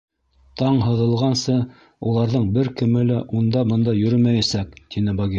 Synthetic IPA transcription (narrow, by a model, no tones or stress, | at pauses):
t̪ɑɴɦɤ̆ðɤ̆lˠʁɑnsɤ | ulˠɑɾðɤɴbɘɾkɘ̆mɘlæʔund̪ɑbɤ̆nd̪ɑjɵ̆ɾɵmæjæsækt̪inɘbɑɡʲi